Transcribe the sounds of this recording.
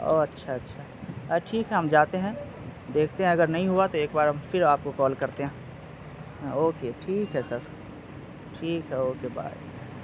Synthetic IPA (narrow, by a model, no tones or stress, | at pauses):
o̰ːɐtːʃʰaɐtːʃʰa | ʈʰiːkɦɛɦɐmd͡ʒaːt̪eɦɛ̃ | d̪eːkʰt̪eɦɛ̃ɐɡəɾnɐɦĩɦuat̪oeːkbaːɾɦɐmfɪɾaːp̚kokɔːlkɐɾt̪eɦɛ̃ː | oːkeʈʰiːkɦɛsəɾ | ʈʰiːkɦɛoːkeba̰ː